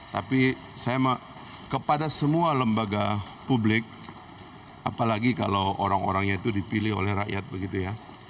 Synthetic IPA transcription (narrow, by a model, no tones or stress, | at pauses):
t̪api | sajamə | kəpadasəmualəmbaɡa | publɪk̚ | apalaɡikalowʔo̰ɾaŋo̰ɾaŋɲait̪udipilɪho̰lɛhra̰ʔjat̪̚bəɡit̪uja